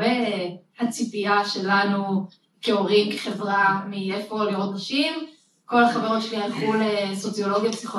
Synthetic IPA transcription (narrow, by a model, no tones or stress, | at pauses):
ehat͡sipiaʃe̞lanu | keoʁimke̥χevʁamiefoliot̪aʃim | ko̞laχaveʁeʃliajχuleso̞t͡sjo̞lo̞ɡjapsiχo